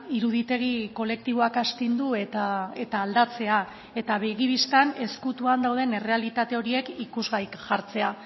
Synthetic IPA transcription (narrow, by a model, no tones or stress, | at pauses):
iɾuðit̪e̞ɣ̞iko̞le̞k̚t̪iβo̞akast̪ind̪uet̪ae̞t̪aːld̪at͡se̞a | e̞t̪aβeɣiβist̪ane̞skut̪uand̪awð̞e̞ne̞re̞alit̪at̪e̞o̞ɾie̞kikuzɣajkʝaɾt͡se̞a